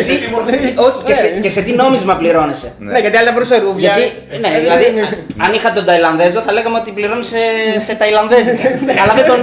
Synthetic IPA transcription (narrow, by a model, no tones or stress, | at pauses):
st̪oicesecese̞t̪ino̞mizmɐpliɾo̞nese̞ | neʝɐt̪iɐlɐt̪ɐbɾusɐʝɐt̪i | neðilɐðiɐnixɐt̪et̪od̪ɐilɐnðe̞zoθɐle̞ɣɐmeo̞t̪ipliɾo̞nise̞se̞t̪ɐilɐnðezɐlɐðet̪o